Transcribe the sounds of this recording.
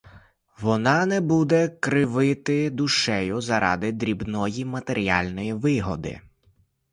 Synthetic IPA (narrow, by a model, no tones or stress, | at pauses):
ʋɔnɑnɛbud̪ɛkɾɪʋɪt̪ɪd̪ʊʃɛjʊzɐɾʔɑ̰d̪ɪd̪ɾʲibnɔjimɐt̪eɾʲiɑ̰lʲnɔjiʋɪɦɔd̪ɪ̰